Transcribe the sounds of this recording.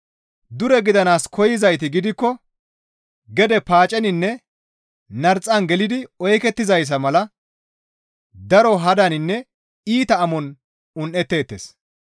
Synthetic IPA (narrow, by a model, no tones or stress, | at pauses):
d̪ʊɾɛɡɪd̪ɐnaːskʰɔjɪzɐjt̪ɪɡɪd̪ɪkːɔ | ɡɛd̪ɛpaːt͡ʃʼɛnɪnːɛ | nɐɾt͡sʼːɐnɡɛlɪd̪ɪɔjkɛt̪ːɪzɐjs̬ɐmɐlɐ | d̪ɐɾɔɦɐd̪ɐnɪnːɛ | iːt̪ɐːmɔn | ʊnʔɛt̪ːe̞ːt̪ːeːs